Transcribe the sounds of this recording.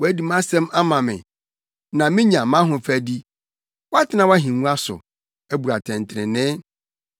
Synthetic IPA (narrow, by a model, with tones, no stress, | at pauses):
wɔ˨æ˦di˨mã˦sɛ̃˦mʔa˦mã˨mɪ̰̃˨ | nã˨mɪ̃˦ɲã˨mã˦ɦʊ̃˨fæ˨di˦ | wɔ˦a˦tʰɪ˦nã˨wa˦ɦĩ˨ŋũ˦a˦sʊ̰˨ | æ˦bu˨ɾa˨tʰɛ̃˨ntʰɪ˨ɪ̃˨nɪ̃˦